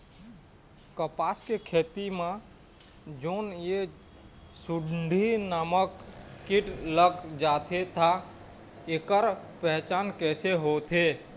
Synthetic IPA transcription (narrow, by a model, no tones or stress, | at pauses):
kəpaːskekʰeːt̪imã | d͡ʒoːnje | suɖɖʱinəməkːiʈləɡd͡ʒaːt̪ʰet̪ʰa | ekəɾpɛɦt͡ʃaːnkɛːseɦot̪ʰe